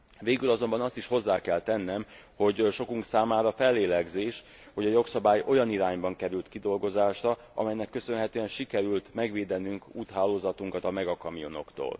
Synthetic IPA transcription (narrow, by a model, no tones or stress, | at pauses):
veːɡylɒzo̞mbɒnɒst̪iʃho̞zːaːkɛlt̪ɛnːɛm | ho̞ɟʃo̞kuŋksaːmaːɾɒfɛlːeːlɛɡzeːʃ | ho̞ɟɒjo̞ksɒbaːjo̞jɒniɾaːɲbɒŋkɛɾylt̪kid̪o̞lɡo̞zaːʃrɒ | ɒ̰mɛjnɛkːø̞sø̞nɦɛt̪øːɛnʃikɛɾylt̪mɛɡʋeːd̪ɛnyŋkuːt̪ɦaːlːoːzɒt̪uŋkɒt̪ɒmɛɡɒkɒmijo̞no̞̰kt̪o̰ːl